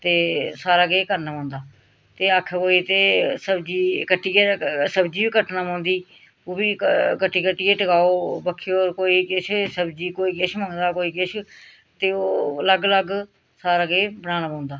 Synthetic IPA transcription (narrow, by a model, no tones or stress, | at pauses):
t̪eːsaːɾaːɡeːkəɾnaːmãːnd̪aː | t̪eːəkʰkoːiːt̪eːsəbd͡ʒiːkəʈːiːesəbd͡ʒiːbiːkəʈnaːmãːnd̪iː | oːbiːkəʈːiːkəʈːiːeːʈəɡaːoːbəkʰːeːoːɾkoːiːkɪʃʰsəbd͡ʒiːkoːiːkɪʃməŋd̪aːkoːiːkɪʃʰ | t̪eːoːələɡələɡ | saːɾaːɡeːbənãːnaːmãːnd̪aː